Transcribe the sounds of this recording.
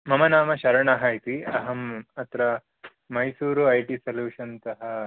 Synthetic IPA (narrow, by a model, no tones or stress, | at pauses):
mɐmɐnaːmɐʃɐɾɐɳaɦɐjt̪iɐɦɐmɐt̪ɾɐː | ɐjsuːɾuɐjʈisɐljuːʃɐnt̪ɐɦɐ